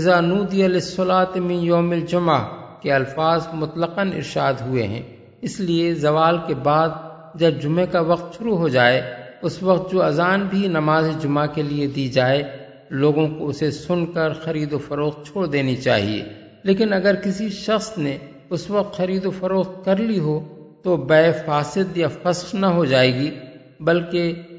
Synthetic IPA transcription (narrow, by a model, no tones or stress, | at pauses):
ɪzanuːd̪iəlɪsːʊlaːt̪mĩjoːmɪld͡ʒʊmakeɐlfaːzmʊt̪ləqənɪ̰ɾʃaːd̪ɦʊḛɦɛ̰̃ː | ɪsliezɐʋaːlkebaːd̪̚ | d͡ʒɐb̚d͡ʒʊmẽkaʋɐq̚t̪ʃʊɾuɦod͡ʒaːeʊswɐq̚t̪̚d͡ʒoːɐzaːnbʱinɐmaːzid͡ʒʊmakelied̪id͡ʒaːe | loːɡõkoʊsesʊnkəɾxɐɾiːd̪ofɐɾoːxt̪̚t͡ʃʰoːɽd̪eːnit͡ʃa̰ːɦḭḛː | leːkɪnɐɡəɾkɪsiʃɐxsne | ʊswɐq̚t̪xɐɾiːd̪ofɐɾoːxt̪̚kɐɾliɦot̪obɛːfaːsɪd̪jafɐsxnɐɦod͡ʒaːeːɡi | bɐlke